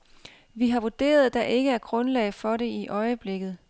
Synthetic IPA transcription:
ʋiɦɑ̈ʋud̥e̝̰ːɐð̞̩ˠd̥ɑ̈ʔe̝ɡ̥əæɐɡ̥ʁɔ̽nlɛ̰ɪfɒ̽ɾe̝iʔɒ̽ɪəb̥le̝ɡ̥ð̩ˠ

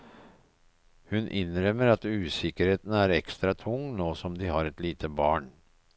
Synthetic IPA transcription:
hʉnʔɪnɾœmːəɾɑt̪ʉːsɪkəɾheːt̪ənæɾɛkst̪ɾat̪ʰʊŋːnoːsɔmd̪ɪɦɑɾɛt̪liːt̪ʰəbɑːɳ

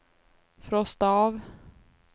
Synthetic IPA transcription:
fɾɔst̪ɑːv

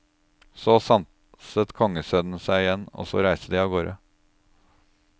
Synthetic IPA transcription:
soːsɑn | sət̪kʰɔŋːəsœnn̩sæɪɪjɛnːɔ̰sɔ̰ːɾæɪsəd̪ɪɑːʋɡoːɾə

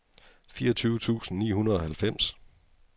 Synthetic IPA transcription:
fiːɐʌt͡sʰyːʊət͡sʰṵːsn̩nḭːhunɐð̞ˠɒ̽hælfem̰s

